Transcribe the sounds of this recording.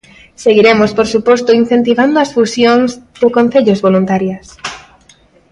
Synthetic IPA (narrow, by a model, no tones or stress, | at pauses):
seɣiɾemospoɾsupost̪oin̟θent̪iβand̪oasfusjonzd̪ekõn̟θeʎozβolunt̪aɾjas